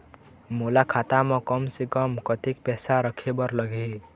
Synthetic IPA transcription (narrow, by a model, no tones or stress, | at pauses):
molakʰat̪amɔkʌmsikʌmkət̪ikpɛsaɾəkʰebʌɾləɡʱe